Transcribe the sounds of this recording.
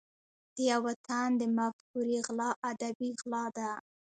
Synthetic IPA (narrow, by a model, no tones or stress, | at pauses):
d̪̥əjawat̪ʰand̪əmak̚puɾiɣlɑʔad̪abiɣlɑd̪a